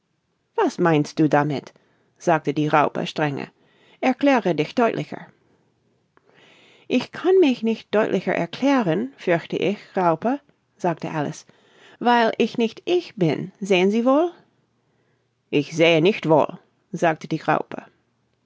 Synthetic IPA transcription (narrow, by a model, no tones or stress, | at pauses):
v̥asmaɪ̃nst̚d̥uːdamɪt | z̥aːk̚tədiːʁaʊpə̰ʃtʁ̥ɛŋə̰ | ʔɛɐkl̥ɛːʁədɪçd̥ɔʏtlʔɪçə̰ | ʔɪçkʰanmɪçnɪçt̚d̥ɔʏtlʔɪçə̰˞ʔɛ̰ɐkʰl̥ɛːʁənfʏɐçtəʔɪçʁaʊpə | z̥aːk̚təʔalɪ̰s | vaɪlʔɪçnɪçtʔɪçb̥ɪnzeːənziːvoːl | ʔɪçz̥eːənɪçtv̥o̰ːl | zaːk̚tədiːʁa̰ʊpʰə̰